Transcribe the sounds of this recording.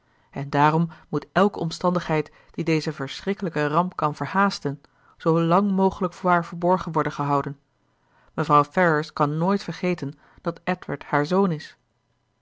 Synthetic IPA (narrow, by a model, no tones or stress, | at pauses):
ɛndaːɾɔmːutɛlˠkəɔmstɑndəχɦɛjt | d̥idejzəvəɹsrɪkələkərɑmpkɑnvəɹhaːstən | z̥owlɑŋmowχələkfʊːɹɦaːɹvəɹbɔɹχənʋɔɹdəχəɦɑwdən | məvrɑwfɛɹəskɑnːoːjtfəɹχejtən | d̥ɑtɛtʋəɹthaːɹzownɪs